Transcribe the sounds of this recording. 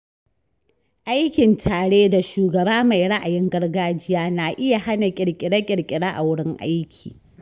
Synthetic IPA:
ʔa˦jkʲɪ˨ntʰaː˨ɽeː˦da˨ʃuː˨ɡɐ˨baː˦ma˨jɽa˦ʔa˨jɪ˦ŋɡɐ˦rɡaː˦d͡ʒɪ˦jaː˦naː˨ʔɪ˦ja˨ha˦na˨kʲʼɪ˨ɽkʲʼɪ˨ɽa˦kʲʼɪ˨kʲʼɪ˨ɽaː˦ʔa˨wʊ˦ɽɪ˦ŋʔa̰˦jkʲʰḭː˨

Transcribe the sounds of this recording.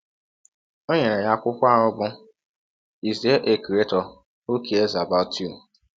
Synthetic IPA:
o˦ɲe˨ɾe˨ja˦kʷʊ˦kʷa˦˨ɾʊ˦bʊ˦ | i˨zi˨˦e˦ʔe˨kɾe˦tɔ˨ | o˦kʰe˨e˦za˨ba˦tʰu˦˨

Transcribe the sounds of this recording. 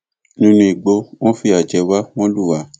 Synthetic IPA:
nĩ˦nũ˧i˨ɡ͡bo˧˦w̃ɔ̃˦fi˧˦a˨d͡ʒɛ˨˧wa˦w̃ɔ̃˦lu˦˨wa˨˦

